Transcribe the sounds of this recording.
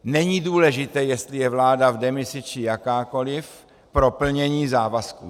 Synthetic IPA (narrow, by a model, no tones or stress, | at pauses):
nɛɲiduːlɛʒɪt̪ɛːjɛst̪lɪjɛvlaːdavdɛmɪsɪt͡ʃɪjakaːko̞lɪf | pɾopl̩ɲɛɲiːzaːvaskṵː